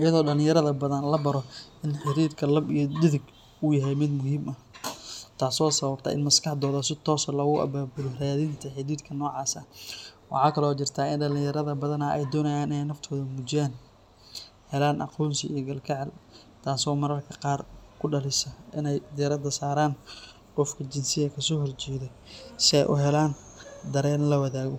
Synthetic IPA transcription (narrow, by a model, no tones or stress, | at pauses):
ʔɪjɐðɔːɖɐlɪ̃jɐɾɐðɐbɐðɐnlɐbɐɾɔʔɪnħɪɾiːɾkʰɐlɐbijɔd̪ɪðɪɡ | ʔʊjɐɦɛjmɪd̪mʊɦiːmʔɐ | t̪ʰaːsɔːsɐβɐb̚t̪ʰɐ̰ʔɪnmɐskɑħd̪ɔːðaːsɪt̪ʰɔːsɐlɐɣʊʔɐ̰baːbʊlʊraːðɪnt̪ʰɐħɪɾiːd̪kʰɐnɔːʕɑːsɐ̰wɑ̰ħɑːkʰɐlɔːt͡ʃɪrt̪ʰaːɪnɖɐlɪ̃jɐɾɐðɐbɐðɐnɐʔɛ̰jd̪ɔːnɐjaːnɪnɛjnːɐft̪ʰɔːðɐmʊt͡ʃɪjaːn | hɛlaːnʔɑ̰qʰɔːnsɪijɔɡɐlkʰɛʕɛl | t̪ʰaːsɔːmɐɾɐrkʰɐ̥qɑːrkʰʊɖɐlɪsɐɪnɛjd̪ɪɐɾɐd̪ɐsaːɾaːn | qɔfkʰɐt͡ʃɪnsɪɣɐkʰɐsɔːɦɔrt͡ʃɛːðɛ | sɪɛ̰jʔʊɦɛlaːn | d̪ɐɾɛːnlɐwɐðaːɣɔ